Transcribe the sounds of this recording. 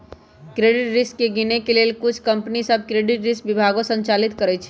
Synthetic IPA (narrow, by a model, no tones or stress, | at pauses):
kɾeːɖɪʈɾɪskːeɡɪnekeleːlkʊt͡ʃʰkɐ̃mpnisəb̚ʱkɾeːɖɪʈɾɪskʋɪbʱaːɡõsə̃ɲt͡ʃaːlɪt̪kəɾət͡ʃʰɛ̥